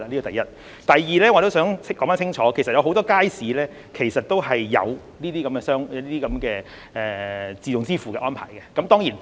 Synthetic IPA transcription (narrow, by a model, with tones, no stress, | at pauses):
a˨˧li˥kːt̪ɐ˨˩jɐ˥t̚ | t̪ɐ˨jjiː˨lɛː˥ŋɔ˨˧ɾo˥wsœː˨˥ŋkɔː˨˥ŋfaː˥sʰɪ˥ŋt͡ʃʰɔː˨˥kʰjsɐ˨t̚jɐ˨˧wɦo˨˥wt̪ɔː˥kaː˥jsiː˨˥lɛː˥ | kʰe˨˩jsɐ˨t̚t̪o˥wɦɐ˨jːɐ̰˨˧w | niː˥t̪iː˥kɐ˨˥mkɛː˧sœː˥ŋ˧liː˥t̪iː˥kɐ˨˦mkɛː˧ | ʔɛ˨t͡siː˨tʊ˨ŋt͡siː˥fuː˨kɛ˧ʔɔː˥npʰa̰ː˨˩jkɛ˧kɐ˦mt̪ɔː˥ŋjiː˨˩n